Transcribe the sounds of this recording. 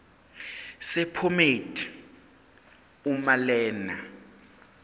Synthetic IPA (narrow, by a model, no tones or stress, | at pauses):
sɛpʰometʰʼi̥ | umalɛːna